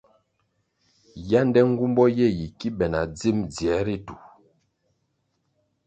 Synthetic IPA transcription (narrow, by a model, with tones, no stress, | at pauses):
ja˦ndɛ˦ŋ̩˦ɡu˦mbɔ˦jɛ˦˨ji˨ki˦bɛ˨na̰˨d͡zi˦˨md͡zjɛ˨˦ɾi˦tu˨